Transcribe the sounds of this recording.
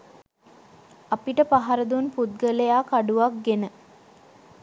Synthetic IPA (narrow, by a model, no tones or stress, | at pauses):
apiʈəpaɦaɾəd̪unput̪̚ɡəlejaːkaɖuʋak̚ɡenə